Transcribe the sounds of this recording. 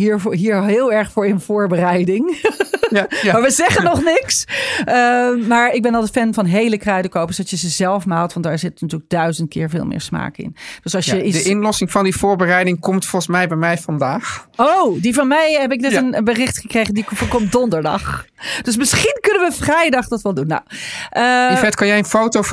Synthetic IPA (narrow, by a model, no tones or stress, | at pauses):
ɦiːɹɦiːɹɦɪːlˠɛɹχfʊːɹɪnv̥ʊːɹbərɛjdɪŋ | maɹʋəzɛχənɔχnɪksəmaːɹɪɡ̚bɛnɑlˠtətfɛnvɑnɦejləkrœɥdəkowpəsdɑtjəzəzɛlˠfmaːlˠtʋɑntdaːɹzɪtnatyːləɡ̚dœɥzəntkɪ̰ːɹvɪ̰ːlˠmɪ̰ːɹsma̰ːkɪ̰nd̥øsɑlˠsjəidəɪnlɔsɪŋvɑndivʊːɹbərɛjdɪŋkɔmtfɔlˠχəsmɛjbɛjmɛjvɑndaːχowdivɑnmɛjɦɛp̬ɪk̚dɛtənənbərɪχtχəkrejχəndikfkɔm̚dɔndəɹdɑ̰χ | d̥ɵs̬mɪsχinkɵnənʋəfrɛjdɑχdɑtʋɛlˠdunːo̰wʔəvɛtkɑnjɛjənfowtow